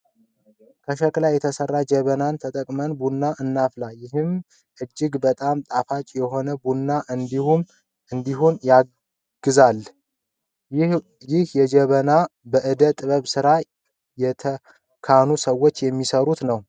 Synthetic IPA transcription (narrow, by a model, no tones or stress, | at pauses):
kʰəʃəkʼlajɛt̪ʰəsərːad͡ʒɛβənant̪ʰət̪ʼəkʼmənbunːaʔɨnːaflajɪɦɨm | ʔɨd͡ʒːɪɡbət̪ʼamt̪ʼafat͡ʃʼjɛho̞nəbunːaʔɨnd̪um | ɨnd̪iɦunja | ɡ̥ɨzal | jɪhjɛd͡ʒɛβənabəʔɨd̪ət̪ʼɨβəβsɨɾa | jɛt̪ʰə | kʰanusəwːo̞t͡ʃːjɛmːisəɾut̪nəw